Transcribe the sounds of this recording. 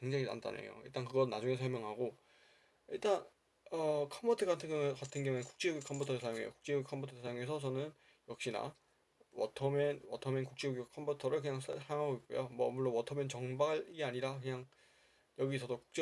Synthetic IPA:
kwe̞ŋd͡ʑaŋina̰mt͈a̰nḛjo̰ḭɭt͈aŋkɯɡʌnːad͡ʑuŋesʰʌɭmjʌŋɦaɡo | iɭt͈an | ʌkʰʌmbʌtʰɯɡatʰɯɡŋkatʰɯnɡeʌŋuenku̥k̚t͡ɕ͈ejoɡikʰʌmpbʰutʰʌesʰajoŋejo̰kuk̚t͡ɕ͈ejoɡikʰʌmbʰutʰʌesʰajoŋe̞sʰʌt͡ɕʌnɯn | jʌk̚ɕ͈ina̰ | wʌtʰʌmʌnwʌtʰʌmjʌnkuk̚t͡ɕ͈ejoɡjikʰʌmbʰutʰʌɾɯɭkɯɲaŋsʰsʰaŋɦaɡoik͈ojomwʌmuɭːonwʌtʰʌmjʌnt͡ɕʌŋbaɡɯiɡeaɲiɾakɯɲaŋ | jʌɡisʰʌdoku̥k̚t͡ɕ͈e

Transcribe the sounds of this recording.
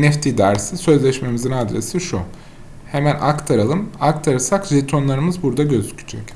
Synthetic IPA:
nɛft̪ʰid̪æɾsisø̞zlʲɛʃme̞mizinad̪ɾesiʃu | he̞mænʔakt̪ʰaɾalˠɯmakt̪ʰaɾɯsakʒet̪ʰo̞nlˠaɾɯmɯzbuɾd̪aɟøzy̥cʰy̥d͡ʒɛc

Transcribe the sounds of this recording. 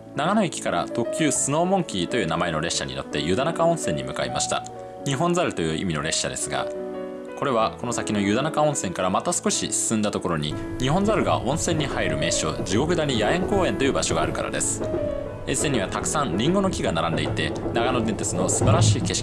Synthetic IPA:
naɡano̞ikʲi̥kaɾa̰t̪o̞kʲɨːsɨno̞ːmõ̞ŋkʲit̪o̞jɯ̟ːnamae̞no̞ɾe̞ɕɕːaɲ̟ḭno̞t̪ːe̞jɯ̟d̪anakaõ̞sẽ̞ɲ̟ːimɯ̟kaimaɕi̥t̪a̰ | ɲ̟iɦõ̞nd͡zaɾɯ̟t̪o̞jɯ̟ːʔḭmʲino̞ɾe̞ɕɕad̪e̞sɨɡa̰ | ko̞ɾe̞βako̞no̞sakʲino̞jɯ̟d̪anakaõɰ̃sẽ̞ŋkaɾamat̪asɨ̥ko̞ɕisɨ̥sɨ̃nd̪at̪o̞ko̞ɾo̞ɲ̟i | ɲ̟iɦõ̞nd͡zaɾɯ̟ɡa̰ʔõ̞ɰ̃sẽ̞ɲ̟ːihaiɾɯ̟me̞ːɕo̞ːd͡ʑiɡo̞kɯ̟d̪aɲ̟ijaẽ̞ŋko̞ːẽ̞nt̪o̞jɯ̟ːbaɕo̞ɡaːɾɯ̟ka̰ɾa̰d̪e̞sɨ̥ | ẽsẽ̞ɲ̟ːiβat̪aksãnɾʲĩŋɡo̞no̞kʲiɡanaɾãnd̪e̞it̪e̞naɡano̞d̪ẽnt̪esɨno̞sɨbaɾaɕiːke̞ɕi̥ki

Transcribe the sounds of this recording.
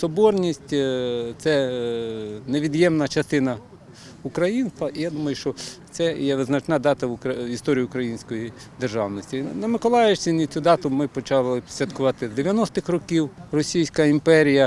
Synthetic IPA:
sɔbɔrnʲisʲtʲt̪sɛ | neʋʲid̪jɛmnɐt͡ʃɐst̪ɪnɐ | ukɾɐjinst̪ʋɐʔijad̪umɐjʊʃt͡ʃɔt̪sɛjɛʋɪznɐt͡ʃnɑd̪ɑt̪ɐʊkɾɐist̪ɔɾʲijiʊkɾɐjinʲsʲkɔjid̪erʒɑwnɔsʲtʲinɐmɪkɔlˠɑjɪʃsʲinʲit͡sʲud̪ɑt̪ʊmɪpɔt͡ʃɑlˠɪsʲʋʲɐt̪kʊʋɑt̪ɪzd̪eʋʲjɐnɔst̪ɪxrɔkʲiwrɔsʲijsʲkɐimpɛɾʲijɐ

